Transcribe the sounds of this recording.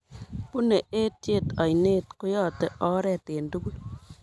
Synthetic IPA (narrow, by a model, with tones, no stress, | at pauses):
pu˦ne˨e˦tje˦˨tɔ˨jne˦tko˦jɔ˦˨te˦ʔɔ˦ɾɛ˨te˨ndu˦ɡu˦l